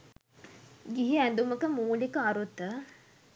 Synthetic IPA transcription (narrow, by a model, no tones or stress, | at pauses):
ɡiɦiænd̪uməkəmuːlikəaɾut̪ːə